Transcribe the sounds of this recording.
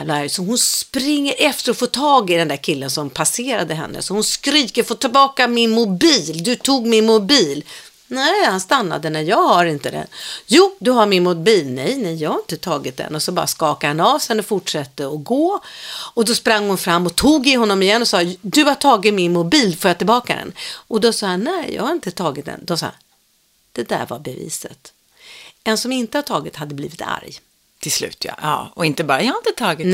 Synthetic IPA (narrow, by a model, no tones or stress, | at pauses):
lasɔɦʊnspɾɪŋːəɾʔɛft̪əɾɔfoːt̪ʰɑːɡɪd̪ɛnd̪æɾkʰɪlːənsɔmpʰaseːɾad̪əɦɛ̰nːə̰sɔhʊnskɾiːkəɾfoːt̪ʰɪlbɑːkamɪnmʊbiːld̪ɵt̪ʰuːɡmɪnmʊbiːl | nɛhanst̪anːa̰d̪ənæɾjɑːɡhaɾɪnt̪əd̪ɛ̰njuːd̪ɵɦaɾmɪnmʊbiːlnɛjnɛjjɑːɡhaɾɪnt̪ət̪ʰɑːɡɪt̪̚d̪ɛ̰nɔsɔbɑ̰ːɾa̰skɑːkahanɑːvsɛnːəfʊʈʂɛt̪ːəɔɡoːɔd̪ɔspɾaŋːhʊnfɾamːɔt̪ʰuːɡɪɦɔnːɔmɪjɛnːɔsɑːd̪ɵat̪ʰɑːɡɪmɪnmʊbiːlfœɾjat̪ɪlbɑːkad̪ɛ̰nʔɔd̪ɔsɑːanːɛːjɑ̰ːɡhaɾɪnt̪ət̪ʰɑːɡɪt̪̚d̪ɛ̰nd̪ɔmsɑ̰ːha̰n | d̪̥ɛd̪æ̰ɾva̰ɾbɛvḭːsə̰t̪ | ɛnsɔmɪnt̪əhatʰɑːɡɪt̪had̪ːəbliːvɪt̪ʰa̰ɾj | t̪ʰɪlslʉ̟ːt̪ʰja̰ɑ̰ːɔɪnt̪əbɑːɾajɑhaɾɪnt̪ət̪ʰɑːɡɪ